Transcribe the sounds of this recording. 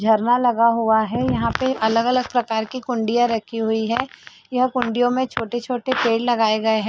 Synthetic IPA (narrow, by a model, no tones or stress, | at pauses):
d͡ʒʱɐɾnalɐɡaɦʊaɦɛjɐɦãpeʔɐləɡɐləɡ̚pɾɐkaːɾkikʊ̃ɳɖijãɾɐkʰiɦʊiɦɛː | jɐɦkʊ̃ɳɖijõmẽt͡ʃʰoːʈet͡ʃʰoːʈepeːɽlɐɡaːeɡɐeɦɛ̃ː